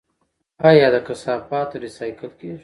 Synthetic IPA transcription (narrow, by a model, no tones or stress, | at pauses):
ɑjɑd̪əkasɑːfɑːt̪oɾɪsɑjkɪlkeʒ